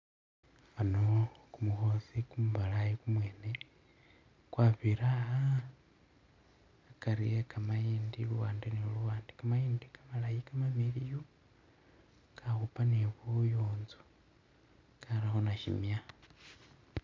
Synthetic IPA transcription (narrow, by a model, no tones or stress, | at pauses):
anokumuxosikumuβalajikumwe̞ːne | kwaːβiɾaa | kaɾijekamajiːndiluwaːndeniluwaːndekamajiːndikamalajikamamiliju | kʰaxupaniβujoːnzu̥ | kʰaɾaxonaʃḭmja